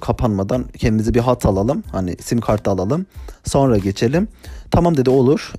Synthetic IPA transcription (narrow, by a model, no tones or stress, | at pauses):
kʰapʰanmad̪ancʰɛnd̪imizibiɦat̪ʰalˠalˠɯmhanḭsimkʰaɾt̪ʰɯaːlˠalˠɯmso̞nɾaɟe̞t͡ʃʰe̞lʲimt̪ʰamamd̪e̞d̪io̞lˠuɾ̥